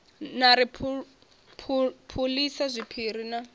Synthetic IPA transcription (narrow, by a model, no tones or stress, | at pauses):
naɾipʰ | pʰupʰulisazʷipʰiːɾ̤ina